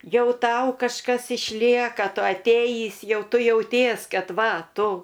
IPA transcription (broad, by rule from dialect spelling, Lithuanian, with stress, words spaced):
ˈjɛʊ ˈtɐʊ kɐʃˈkɐs ɪʃʲˈlʲiɛkɐ ˈtʊ ɐtʲˈeːjiːs ˈjɛʊ ˈtʊ jɛʊˈtʲiɛs ˈkɐt ˈʋɐ ˈtʊ